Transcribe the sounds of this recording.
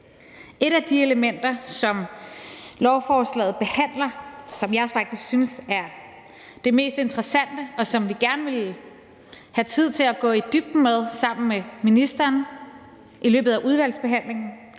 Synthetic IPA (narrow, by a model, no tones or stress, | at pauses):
e̝ɾæd̥ie̝ləmen̰d̥ɐsɒ̽m | lɒʊfɒːslɛ̰ːð̞̩ˠb̥e̝hæn̰lɐsɒ̽mjɑɒsfɑ̈ɡ̥̚d̥ʰisɡ̥synsæɐ | d̥e̝me̝̰ːsd̥e̝nd̥ʁɐsæn̰d̥əɒ̽sɒ̽mʋiɡ̥æɐnəʋe̝l | hæt͡sʰið̞̰ˠt͡sʰe̝læɡ̥ɔ̰̽ːid̥yb̥̚d̥með̞ˠsɑ̈m̰n̩meminisd̥ɐːn | ʔilø̰ːb̥ð̩ˠæʔuð̞ˠʋæl̰sb̥e̝ɦæn̰le̝ŋn̩